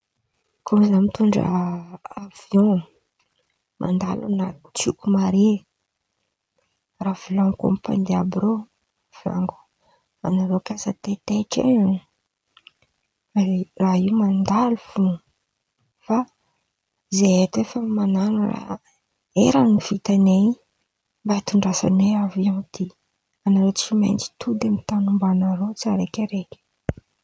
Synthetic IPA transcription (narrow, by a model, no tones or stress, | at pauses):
kʰomizamit̪uɳɖ͡ʐa̰avjɔ̃ | mʔa̰nd̪a̰lṵnat͡sukumaɾe | ravulãŋkõ̰mpa̰nd̪eabɾo | vja̰ŋɡu | a̰naɾokasat̪et̪eʈ͡ʂḛɲ | raiwmand̪alufu | fa | izeet̪efəmananura̰ | eɾaniv̥it̪ane | mbat̪uɳɖ͡ʐasa̰neaviamit̪i | anaɾot͡ʃimḛjnt͡si̥t̪ʰud̪amit̪anumbanaɾot͡saɾekʲəɾekʲə̥